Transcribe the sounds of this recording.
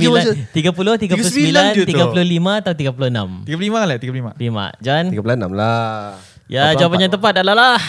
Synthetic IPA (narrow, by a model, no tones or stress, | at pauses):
mlat̪iɡapuloht̪iɡaulssbəibilant̪iɡapulohlimãat̪aũt̪iɡap̬ulohəna̰miɡapullimalat̪iɡapullimalima̰d͡ʒaniɡapulonamla | jad͡ʒawapaɲaŋt̪əmpat̪̚daʔlalah